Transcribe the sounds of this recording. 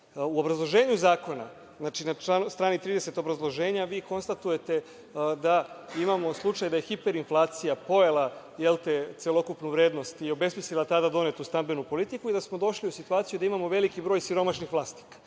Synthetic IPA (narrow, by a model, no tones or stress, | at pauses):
uo̞bɾazlˠo̞ʒeːɲuzaːko̞na̰ | znaːt͡ʃinaast̪ɾaːnit̪ɾiːd̪e̞se̞t̪obɾazlˠo̞ʒe̞ːɲaʋiːko̞nst̪at̪uje̞t̪e̞ | d̪aimamo̞slˠut͡ʂajd̪aje̞xipe̞ɾinflˠaːt̪sijapo̞ela | jelt̪et̪selˠo̞kupnuʋɾeːd̪nost̪io̞be̞smislilˠat̪ad̪ad̪o̞ne̞t̪ust̪ambenupo̞lit̪ikuid̪asmo̞d̪o̞ʃliusit̪uaːt̪sijud̪aimamo̞ʋe̞likibɾo̞ːjsiɾo̞maʃnixʋlˠaːst̪i̥kḁ